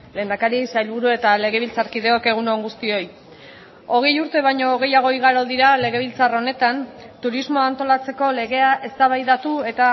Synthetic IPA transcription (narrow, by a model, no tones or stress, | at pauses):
le̞ːnd̪akaɾisajlβuɾue̞t̪ale̞ɣ̞e̞β̞ilt͡saɾkið̞e̞o̞ke̞ɣ̞unoŋɡust̪io̞j | o̞ɣ̞e̞juɾt̪e̞β̞ajɲo̞ːɣ̞e̞jaɣ̞o̞iɣaɾo̞ðiɾale̞ɣ̞eβ̞ilt͡saro̞ne̞t̪ant̪uɾizmo̞ant̪o̞lat͡se̞ko̞le̞ɣe̞aʔe̞st̪aβajðat̪ue̞t̪a